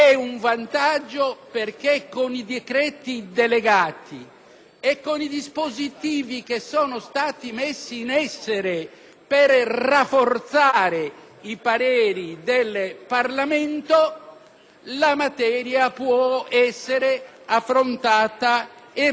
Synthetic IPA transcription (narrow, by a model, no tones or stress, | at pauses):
ɛuɱvant̪ad͡ʒːoperk̟ekːonid̪ekɾɛːt̪id̪eleɡaːt̪ʰḭ | ekːonid̪ispozit̪iːvikesːɔːnost̪aːt̪imesːiːnɛsːeɾe | perrafːort̪saːɾe | ipaɾeːɾid̪elparlament̪o | lamat̪ɛːɾjapwɔɛsːeɾe | afːɾont̪aːt̪ae